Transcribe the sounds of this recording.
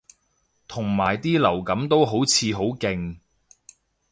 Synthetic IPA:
t̪ʰʊ˨˩ŋmaː˨˩jt̪iː˥lɐ˨˩wkɐ˨˥mt̪o˥wɦo˨˥wt͡sʰiː˨˧ɦo˨˥wkɪ˧ŋ

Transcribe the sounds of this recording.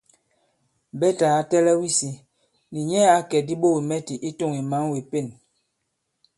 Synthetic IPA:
bɛ˦ta˨a˦tɛ˦lɛ˦wi˦si˨ | ni˨ɲɛ˦a˨˦kɛ˨di˦ɓo˦˨wi˨mɛ˦ti˨ʔi˦to˦˨ŋi˨ma˨˦ŋwe˨pe˦˨n

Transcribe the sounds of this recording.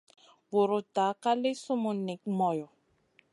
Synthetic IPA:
wo˨ɾʊ˨ta˨˦ka˦lɪ˦sʊ˦mʊ˨ni˨k̚mɔ˨jɔ˨

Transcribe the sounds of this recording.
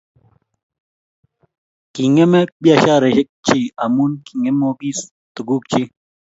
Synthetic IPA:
ki˨ŋe˦me˦ɓja˦˨ʃa˦ɾe˨ʃe˦k̚t͡ʃi˦˨a˨mu˦nki˨ŋe˦mo˦bi˦s | t̪u˨ɡu˦k̚t͡ʃi˦

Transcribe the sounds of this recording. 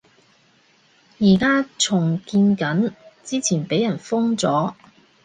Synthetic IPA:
jiː˨˩kaː˥t͡sʰʊ˨˩ŋkiː˧nkɐ˨˥nt͡siː˥t͡sʰiː˨˩npe˨˥jɐ˨˩nfʊ˥ŋt͡sɔː˨˥

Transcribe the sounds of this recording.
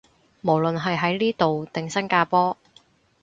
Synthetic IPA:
mo˨˩wlɵ˨nɦɐ˨jɦɐ˨˥jliː˥t̪o˨wt̪ɪ˨ŋsɐ˥nkaː˧pɔː˥

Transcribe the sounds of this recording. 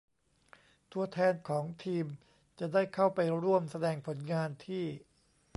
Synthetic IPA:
t̪ʰu˧ɐt̪ʰɛː˧nkʰɔː˩˦ŋt̪ʰiː˧m | t͡ɕa˨˩daː˥˩jkʰa˥˩wpa˧jɾu˥˩əmsa˧dɛː˧ŋpʰo˩˦nŋaː˧nt̪ʰiː˥˩

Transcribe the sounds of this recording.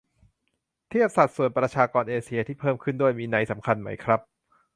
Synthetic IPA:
t̪ʰi˥˩əp̚sa˨˩t̪̚su˨˩ənpɾa˧t͡ɕʰaː˧kɔː˧nʔeː˧si˧ɐt̪ʰiː˥˩pʰɤː˥˩mkʰɯ˥˩ndu˥˩əjmiː˧na˧jsa˩˦mkʰa˧nma̰˦˥jkʰɾa˦˥p̚

